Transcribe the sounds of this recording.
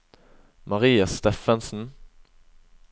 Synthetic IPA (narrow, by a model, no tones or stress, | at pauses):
mɑʁiːɑst̪ɛfɛnsn̩